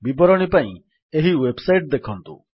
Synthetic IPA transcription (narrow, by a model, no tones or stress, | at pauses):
bibɔɾɔɽ̃ipaḭ̃ | eɦiwebsajʈd̪ekʰɔnt̪ṵ